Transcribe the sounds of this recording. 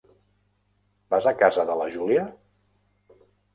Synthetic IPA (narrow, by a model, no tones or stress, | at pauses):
b̥azəkazəðələʒuliə